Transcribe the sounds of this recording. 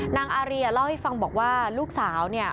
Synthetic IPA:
naː˧ŋʔaː˧ɾi˧la˥˩wha˥˩jfa˧ŋbɔː˨˩k̚waː˥˩luː˥˩k̚saː˩˦wni˥˩ɐ

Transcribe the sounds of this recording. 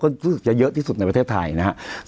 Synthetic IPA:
kɔː˥˩ɾuː˦˥sɯ˨˩k̚t͡ɕa˨˩jɤ˦˥ʔt̪ʰiː˥˩su˨t̪̚n˧jpɾtʰeː˥˩t̪ʰa̰˧jna˦˥ha˦˥ʔ

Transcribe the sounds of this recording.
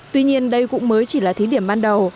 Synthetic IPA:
t̪wi˧ɲi˧ənɗə˧jkʊ̰˧˥ŋ͡mməː˨˦jt͡ɕi˧˩laː˨˩t̪ʰi˨˦ɗi˧˩əmɓaː˧nɗə˨˩w

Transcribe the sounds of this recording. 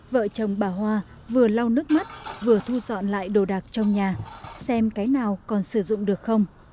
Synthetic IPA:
və̰ː˧˨t͡ɕə˨˩wŋ͡mɓaː˨˩ɦwaː˧ | vɨ˨˩əla˧wnɨ˦˥k̚ma˦˥t̚vɨ˨˩ət̪ʰu˧zɔ̰˧˨nla̰ː˧˨jɗo˨˩ɗaː˨˩k̚t͡ɕɔ˧wŋ͡mɲaː˨˩sɛ˧mkaː˨˦jnaː˨˩wkɔ˨˩nsɨ˧˩zʊ̰˧˨ŋ͡mɗɨ˨˩ək̚xə˧wŋ͡m

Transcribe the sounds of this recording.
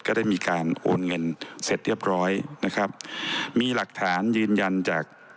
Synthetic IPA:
kɔː˥˩daː˥˩jmiː˧kaː˧nʔo̰ː˧nŋɤ˧nse˨˩t̪̚ɾi˥˩əp̚ɾɔː˦˥jna˦˥kʰa˦˥p̚miː˧la˨˩k̚t̪ʰaː˩˦njɯː˧nja˧nt͡ɕaː˨˩k̚

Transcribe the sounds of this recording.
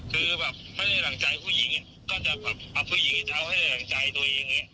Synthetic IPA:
kʰɯː˧bɛː˨˩p̚ma˥˩jda˧˥˩jla˨˩ŋt͡ɕa˧jpʰuː˥˩ji˨˩˦ŋ | kɔː˥˩t͡ɕa˨˩bɛː˨˩p̚ʔa˧pʰuː˥˩ji˨˦ŋ˥˩t͡ɕa˨˧wma˥˩jda˥˩la˨˩ŋt͡ɕa˧jt̪u˧ɐja˧ŋːi˦˥ɐ

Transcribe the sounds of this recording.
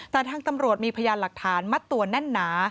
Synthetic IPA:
t̪ɛː˨˩t̪ʰaː˧ŋt̪a˧mɾu˨˩ət̪̚miː˧pʰa˧jaː˧la˨˩k̚t̪ʰaː˩˦nma˦˥t̪ːu˨˩ənɛ˥˩nːaː˩˦

